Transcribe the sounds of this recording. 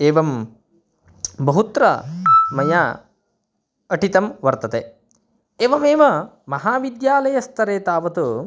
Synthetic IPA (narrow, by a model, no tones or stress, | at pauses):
eːʋɐm | bɐɦut̪ɾɐ̰mɐjaː | ɐʈit̪ɐmʋɐɾt̪ɐt̪eː | eːʋɐmeːʋɐ | mɐɦaːʋid̪jaːlɐjɐst̪ʰɐɾeːt̪aːʋɐt̪u